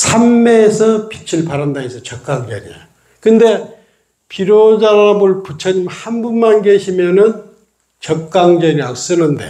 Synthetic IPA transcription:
sʰamːeːsʰʌpit͡ɕʰiɭpaɾandaesʰʌt͡ɕʌk̚k͈aŋd͡ʑʌ̰ɾḭa̰ | kɯnde̞ | piɾod͡ʑaɾamɯɭput͡ɕʰʌɲimhanbunmanɡe̞ɕʰimjʌnɯn | t͡ɕʌk͈aŋd͡ʑʌɾias͈ɯnɯnde̞̰

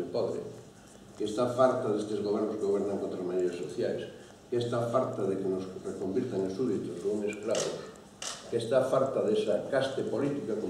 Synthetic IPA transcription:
pɔðɾɪ̰ | kest̪afalt̪aðest̪ezɣoβ̞ɛɾnoskeɣoɛɾnaŋkot̪ɾazmanejɾasoθjajs | kest̪afalt̪aðekenosrekombiɾt̪aŋsuðit̪oskuŋesklaβo̰s | kest̪afalt̪aðesakast̪epolit̪ikako

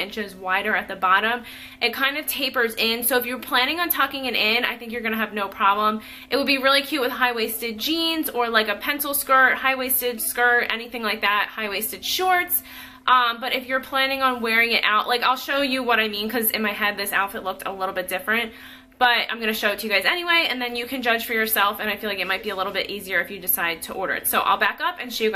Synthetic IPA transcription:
ɪ̃nt͡ʃɨzwaɪɾə˞ɨt̪̚ðɨbɑɾə̃m | ʔɨt̚kʰãɪ̃ndʌv̥tʰeɪpə˞zɪ̃nsoʊɨfjə˞pʰl̥æ̃ɾ̃ɪ̃ŋə̃ntʰʌkɪ̃ŋɨ̃nɪ̃na̰ɪθɪ̃ŋk̬jə˞ɡʌñɨːvnoʊpʰɹ̥ɑblə̃m | ʔɨt̚wəd̚biɹɪlˠikʰj̥ʉt̚wɨð̥ɦaɪweɪstɨd̚d͡ʒĩnzə˞laɪkɨpʰɛ̃nsl̩ˠskɜ˞ʔhaɪweɪstɨd̥skɜ˞tɛ̰niθɪ̃ŋlaɪk̚ðæt̚haɪweɪstɨd̥ʃɔɹts | ʔʌ̃mbʌɾʔɨfjə˞pʰl̥æ̃ɾ̃ɪ̃ŋə̃nwɛɹɪ̃ŋɪɾʔa̰ʊʔlaɪkaɪlˠʃoʊjɨwʌɾaɪmĩnkʰʌzɨ̰̃nmaɪɦɛd̪̚ðɪsaʊtfɨtˡlʊk̚tʰə̰lɪɾl̩ˠbɪt̚d̥ɪfɹɨ̃nt̚ | b̥ʌɾã̰ɪ̃mɡʌ̃nɨʃoʊɨtʰɨjɨɡaɪzɛniweɪɨ̰̃nðɨ̃njɨkʰɨ̃nd͡ʒʌd̥ʒ̥fə˞jə˞sɛlˠfɨ̃ñaɪfilaɪkɨt̚maɪt̚b̥iəlɪɾl̩ˠbɪɾʔiziə˞ɨfjɨdɨsaɪd̚tʰəʔɔɹɾə̰˞ɨ̰tsoʊʔa̰ɪlˠbækʌpɨ̃nʃjɨ

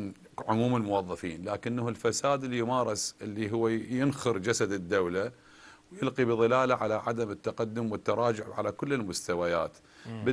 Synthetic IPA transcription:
ʕʊmuːmɪlmʊwɑðˤːɑfḭːnlaːkɪnːahʊlfasaːd̪ɪlːijmaːɾˤɪsʔɪlːiɦʊwːjɪnxʊɾd͡ʒasad̪ɪd̪ːawla | wjɪlqibɨðˤɨlaːlaʕalaʕad̪amɪt̪ːaqad̪ːʊmwɪt̪ːɑɾˤɑːd͡ʒʊʕʕa̰lakʊlːɪlmʊst̪awaja̰ːt̪ | b

